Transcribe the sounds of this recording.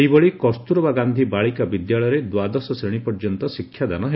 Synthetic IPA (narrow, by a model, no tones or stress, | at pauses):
jbɔɭikɔst̪uɾɔbaɡand̪ʱibaɭikabid̪jaɭɔjɔɾed̪wad̪ɔsɔseɽ̃ipɔɾd͡ʒɔnt̪ɔsikʰːjad̪anɔɦe